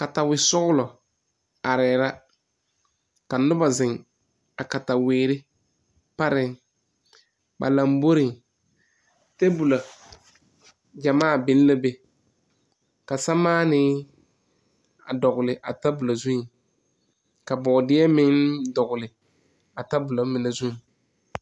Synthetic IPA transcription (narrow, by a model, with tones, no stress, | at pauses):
ka˨ta˨wɪ˨sʊ˦ɣʊ˦lɔ˨ | a˨ɾɛː˨ɾa˦ | ka˨nʊ˦ba˨zɪ˨ŋ | a˨ka˨ta˨weː˨ɾɪ˦ | pa˦ɾɪ˦ŋ | ba̰˨la˨mbo˦ɾɪ˨ŋ | te˦bu˨la˨ | d͡ʒa˨maː˦˨bɪ˦n˦la˦be˨ | ka˨sa˦maː˦nɪ˦ | a̰˨dɔ˨ɣʊ˨lɪ˨ʔa˨ta˦bʊ˨la˨zu˦ŋ˨ | ka˨bɔ˨dɪ˦ɛ˦mɪ˦ŋdɔ˨ɡʊ˨lɪ˨ | a˨ta˦bʊ˨la˨˦mɪ˨na˨zu˦ŋ˨